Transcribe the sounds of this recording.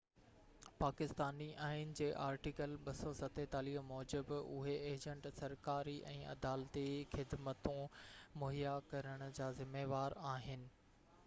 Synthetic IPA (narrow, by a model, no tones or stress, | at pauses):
paːkɪst̪aːniʔaːɪn̆d͡ʑeːʔaːɾʈikəlɓɐsɔsɐt̪et̪aːliːmɔːd͡ʑɪbʊ̰ɦeeːd͡ʑə̃ɳʈsɐɾkaːɾiʔɛ̃ːʔɐ̰d̪aːlt̪ixɪd̪mət̪ũmoɦijakɐɾəɽ̃ʊ̆d͡ʑaːzɪmeːʋaːɾaːɦɪnɪ̆